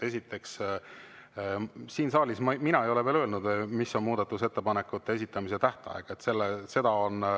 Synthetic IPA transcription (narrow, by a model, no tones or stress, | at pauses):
e̞sʲit̪ːˑe̞ks | siːnsɑːlʲismɑminɑe̞jo̞le̞veløːlnud̪misːo̞nmuːd̪̥ɑt̪ːˑuse̞t̪ːe̞pɑne̞kːˑut̪ːe̞es̬it̪ːˑɑmise̞t̪æht̪ɑ̰eɡ̥ɑet̪ːse̞lːese̞d̪̥ɑo̞n